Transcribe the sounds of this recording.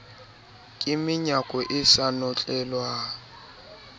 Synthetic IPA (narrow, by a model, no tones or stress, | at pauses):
kʼɪmɪɲakʼɔʔɪsanɔt͡ɬʼɛlwa